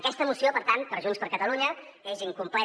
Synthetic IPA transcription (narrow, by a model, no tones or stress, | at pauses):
əkɛst̪əmusiopəɾt̪an̚pəɾʒunspəɾkət̪əluɲə | eziŋkumplɛ